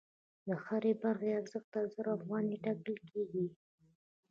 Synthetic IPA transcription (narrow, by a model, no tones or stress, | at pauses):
d̪əxaɾebaɾxeaɾzəxt̪azəɾafɣɑniʈakəlkeɡi